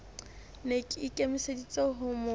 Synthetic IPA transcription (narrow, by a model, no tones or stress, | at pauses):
nekʼikʼemisedit͡sʼeɦʊmʊ